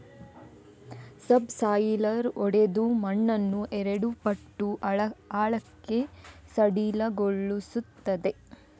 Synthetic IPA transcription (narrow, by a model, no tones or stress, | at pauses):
sɐbsaːjlɐɾɔɽed̪umɐɳːɐnːuʔɛɾeɽupɐʈːuaːɭɐkːe̞sɐɽilɐɡoɭːusut̪ːɐd̪e̞